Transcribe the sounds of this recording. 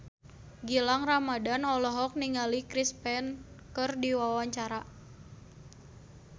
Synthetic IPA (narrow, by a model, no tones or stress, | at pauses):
ɡilaŋramadanɔlɔɦɔk̚niŋalikɾispɛnkərdiwawaɲt͡ʃaɾa